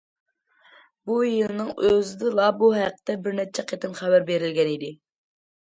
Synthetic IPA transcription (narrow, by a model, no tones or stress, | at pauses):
bujɨlˠɨnɨŋøzɪd̪ɨlˠɑbuɦæqːt̪ɛbɪɾnɛt͡ʃʰɛqʰet̪ɨnχæbæɾbeɾɪlɡʲɛnid̪ɪ